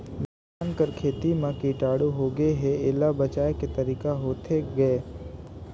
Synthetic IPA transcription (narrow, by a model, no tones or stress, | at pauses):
ʋɪ | aːnkəɾkʰeːt̪imãkiʈaːɽuɦoɡeɦɛeːlabɐt͡ʃaːeket̪ɐɾiːkaɦoːt̪ʰeɡɐe